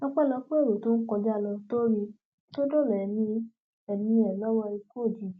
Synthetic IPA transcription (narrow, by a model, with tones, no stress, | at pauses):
nɔ̃˦k͡pɛ˦˨lɔ˧k͡pe˦o˦˨ɾo˨to˦n̩˦kɔ˧d͡ʒa˦˨lɔ˧to˦ɾi˧ | to˦do˦˨lɛ˨nĩ˧ | ɛ˨nĩ˧ɛ˨lɔ˦wɔ˧i˧ko˦˨d͡ʒi˨